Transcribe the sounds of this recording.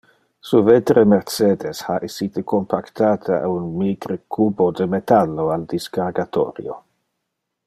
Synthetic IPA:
suvet̪ɾemɛɾt͡sed̪eshaʔesiːt̪əkompʰakt̪ʰaːt̪ʰaa̰unmiɡɾəkʰuːbod̪emet̪alːoald̪iskarɡat̪o̰ːɾj̰o

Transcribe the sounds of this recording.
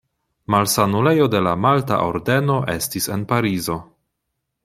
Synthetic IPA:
malsanule̞jo̞de̞lamalta̰ʔo̞ɾde̞no̞ʔe̞stise̞npaɾizo̞

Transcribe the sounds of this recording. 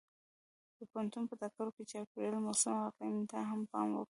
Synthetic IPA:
d̪̥əpant̪unpət̪ak̚kaɾoket͡ʃɑkedəlmɑsumawaqamnt̪aɦampɑ̰mwə̰kɽ

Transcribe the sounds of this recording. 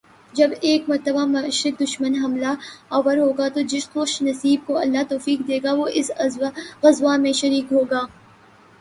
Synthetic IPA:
d͡ʒɐbeːkmɐɾt̪əbamɐʃɾɪk̚d̪ʊʃmənɦɐmlaɐʋəɾɦoːɡat̪od͡ʒɪʃxʊʃnɐsiːb̚koɐlːat̪oːfiːk̚d̪eːɡaʋoʔɪs | ɣɐzʋamẽʃɐɾiːkɦoːɡaː

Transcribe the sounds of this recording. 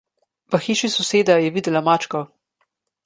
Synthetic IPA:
ʋɐxiːʃisɔseːd̪ajɛʋiːd̪əlamaːt͡ʃkɔ

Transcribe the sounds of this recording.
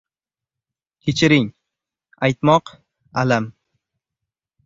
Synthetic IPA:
kʲʰet͡ʃʰɪɾɪŋ | ajt̪mɒq | alam

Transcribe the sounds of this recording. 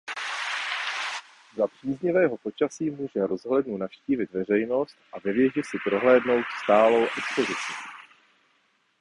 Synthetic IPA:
zapr̝̥iːzɲɛvɛːɦo̞po̞t͡ʃasiːmuːʒɛɾo̞zɦlɛdnunafʃciːvɪt̪vɛr̝ɛjno̞st̪ʔavɛvjɛʒɪsɪpɾo̞ɦlɛːdno̞wt̪st̪aːlo̞wʔɛkspo̞zɪt͡siː

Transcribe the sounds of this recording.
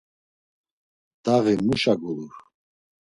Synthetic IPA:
d̪̥aʁimuʃaɡuluɾ

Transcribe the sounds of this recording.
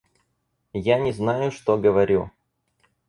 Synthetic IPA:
janʲɪznajʊʂt̪oɡəvɐɾʲṵ

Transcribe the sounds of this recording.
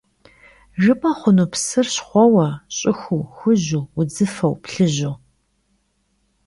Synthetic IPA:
ʒɨpʼɐχʷʊnupsɨrɕχʷɔwɐɕʼɪxʷuxʷʊʑuʊd͡zɨfɐwpɬɨʑu

